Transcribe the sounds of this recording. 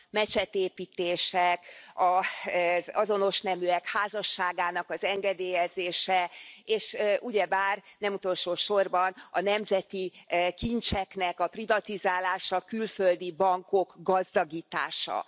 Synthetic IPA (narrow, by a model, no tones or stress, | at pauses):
mɛt͡ʃɛt̪eːpiːt̪eːʃɛkɒ | zɒzo̞no̞ʃnɛmyɛkhaːzɒʃːaːɡaːnɒkɒzɛŋɡɛd̪eːjɛzeːʃɛeːʃʔuɟɛbaːrnɛmut̪o̞lʃoːʃo̞rbɒnɒnɛmzɛt̪ikint͡ʃɛknɛkɒprivɒt̪izaːlaːʃɒkylføld̪ibɒŋko̞kɡɒzd̪ɒɡiːt̪a̰ːʃɒ̰